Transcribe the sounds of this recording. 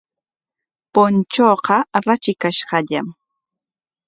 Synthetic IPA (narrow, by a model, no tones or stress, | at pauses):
pʊnt͡ʃoːqɑɾat͡ʃɪkaʃɢɑʎam